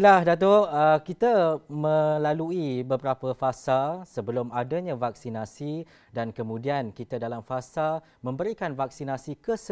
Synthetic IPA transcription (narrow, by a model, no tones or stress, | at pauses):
lahdat̪̬oʔəkit̪əmə̃laluibəbəɾapəfasalsəbəlʊmadəɲãvak̚sinasi | dankəmũdiankit̪adalamfasa | mə̃mbəɾikanvak̚sinasikəs